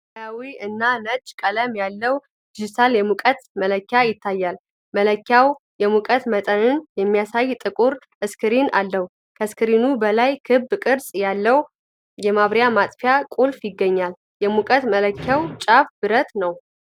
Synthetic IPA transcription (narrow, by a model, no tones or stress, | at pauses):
ajawiɨnːanət͡ʃʼːkʼələmjalːəw | d͡ʒisaljɛmukʼət̪mələkːjajɪt̪ʰːajːal | mələkːjaw | jɛmukʼət̪mət̪ʼənɨnjɛmːijasajt̪ʼɨkʼuɾ | ʔɨskʰɨɾina̰lːəwu | kʰəskɨɾinubəlajkʰɨbːkʼɨɾsʼjalːəw | jɛmaβɾjamat̪ʼfjakʼulfjɪɡːəɲːal | jɛmukʼət̪mələkʰːawt͡ʃʼafbɨɾət̪nəw